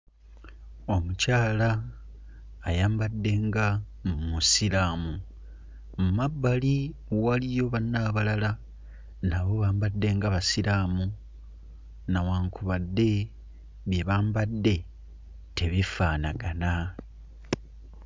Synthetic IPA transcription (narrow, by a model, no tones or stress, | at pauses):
o̞mucaːla | jaːmbadːe̞ŋɡa | mmusilaːmu | mumabːaliwalijo̞βanːaːβalala | naβo̞βaːmbadːe̞ŋɡaβasiɾaːmu | nawaːŋkuβadːe̞ | βjeβaːmbadːe̞ | tʰe̞βifaːnaɡana